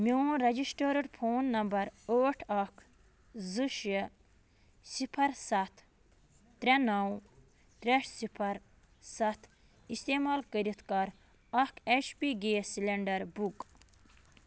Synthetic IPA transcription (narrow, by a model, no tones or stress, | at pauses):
miɾɐd͡ʒisʈəːɾɐɽpʰoːnːɐmbɐɾoːʈʰɐkʰ | zɨʃ | sipʰɐɾsɐt̪ʰ | t̪ɾɛnɐw | t̪ɾeʂsipʰɐɾ | sɐt̪ʰ | ist̪eːmaːlkəɾit̪ʰkɐɾ | ɐkʰet͡ʃpiɡeːsileɳɖɐɾbuk